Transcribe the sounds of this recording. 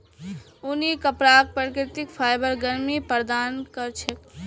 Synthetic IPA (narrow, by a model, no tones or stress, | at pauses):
unikəpɾak̚pɾkɾɪt̪ikpʰajbəɾɡəɾmipəɾd̪ankəɾt͡ʃʰɛ